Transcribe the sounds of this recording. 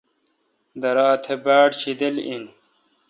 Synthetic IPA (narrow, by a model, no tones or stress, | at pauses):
d̪ɐɾaːt̪ʰebaːʈt͡ɕʰid̪elin